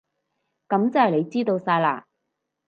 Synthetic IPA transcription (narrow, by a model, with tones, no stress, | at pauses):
kɐ˨˥mt͡sɐ˨˧whɐ˨jle˨˧jt͡siː˥t̪o˧wsaː˧jla̰ː˨